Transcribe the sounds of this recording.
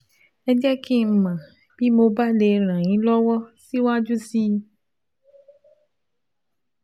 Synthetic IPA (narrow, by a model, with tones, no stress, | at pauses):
e˦d͡ʒɛ˦kʰi˦˨m̩˨mã˨ | b̥i˦mo˨ba˦le˨ɾ̃ã˨ɲĩ˦lɔ˦wɔ˦si˦wo˦a˦d͡ʒu˦si˦